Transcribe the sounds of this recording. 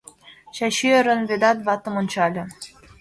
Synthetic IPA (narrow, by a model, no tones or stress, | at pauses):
ɕɑɕyĕɾə̆nβed̪ɑt̪βɑt̪ɤ̆monʲt͡ɕɑlʲɤ̆